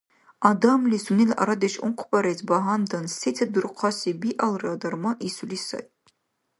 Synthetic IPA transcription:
adamlisunila̰ɾad̪eʃṵnqʷʰbaɾetʰbaɦandɐnsetʰadɨrqʷʰɑsibiʔalˠrad̪armaʔisulisa̰j

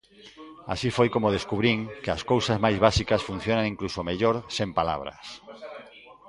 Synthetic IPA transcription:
a̰sifojkomoð̞eskuβɾiŋkeaskowsazmajzβasikasfun̟θjonaŋĩŋklusomeʎoɾsempala̰β̞ɾɐ̰s

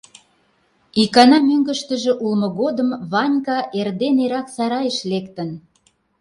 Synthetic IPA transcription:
ikɑnɑmøŋɡə̆ʃt̪ə̆ʒĕʔulmɤ̆ɣod̪əmβɑnʲkɑʔerd̪eneɾɑksɑɾɑjəʃlekt̪ə̆n

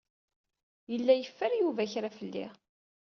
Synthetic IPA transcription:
jəlːæjəfːəɾjuvæçɾafəlːḭʁ

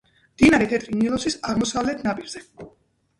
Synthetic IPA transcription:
md̪̥inaɾɛt̪ʰɛt̪ʼɾinilˠɔsisaʁmɔsavlɛt̪ʰnapʼiɾz̥ɛ

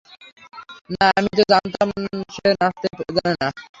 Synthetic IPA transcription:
naamit̪od͡ʑant̪amʃenast̪eɡanena

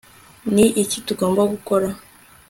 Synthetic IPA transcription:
niʔicituɡɔmbaɡukɔɾa

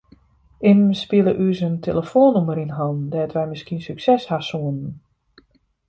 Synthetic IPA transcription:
ɪmspiəlˠəʔysəntʰeləfoːnuməɾinɦɔndɛətʋɛjmɪskiənsyksɛshasuənən

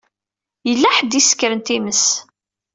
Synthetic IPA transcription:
jəlːæħəd̪iskːəɾənt̪iməs

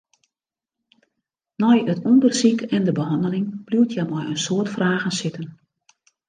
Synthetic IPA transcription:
nɔjətɔndərsikɛndəbəɦɑndəlɪŋb̥luwtʰjamɔjənsoərtfraːɣənsɪtən

